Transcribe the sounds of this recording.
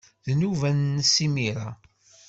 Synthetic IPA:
ðnuvænːsimiɾa̰

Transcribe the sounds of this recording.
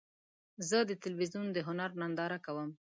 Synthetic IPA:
zəd̪ət̪ɪlwizjund̪əɦʊnaɾnɑnd̪ɑɾakawəm

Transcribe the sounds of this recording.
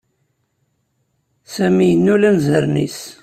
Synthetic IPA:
sæmijənːulænzəɾnḭs

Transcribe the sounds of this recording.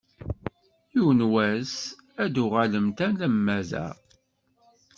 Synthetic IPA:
jiwnwæs | æd̪uʁaləmt̪ænlæmːæzæ̰

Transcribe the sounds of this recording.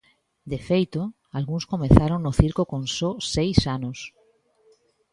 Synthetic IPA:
d̪efejt̪o | alɣuŋskomeθaɾoŋnʊθiɾkokõnsɔsejsanos

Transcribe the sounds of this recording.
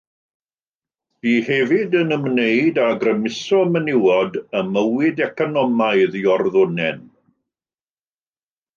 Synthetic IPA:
b̥iːhɛvɪdənəmnejdaɡrəmɪsɔmənɪwɔdəməwɪdɛkʰɔnɔmaɨðiɔrðʊnɛ̰n

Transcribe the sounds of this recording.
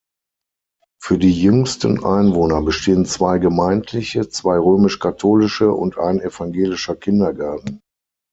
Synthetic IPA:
fyːɐdiːjʏŋstənʔa̰ɪnvoːnɐbəʃteːənt͡sv̥aɪɡəmaɪntʰlɪçət͡sv̥aɪʁøːmɪʃkʰatʰoːlɪʃəʔʊ̰ntʔa̰ɪnɛfaŋɡeːlɪʃɐkʰɪndɐɡaɐtn̩

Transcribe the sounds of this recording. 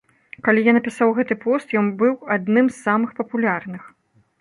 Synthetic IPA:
kalʲijanɐpʲisawɣɛt̪ɨpɔst̪jɔnbɨwad̪nɨmsːamɨxpɐpulʲarnɨx

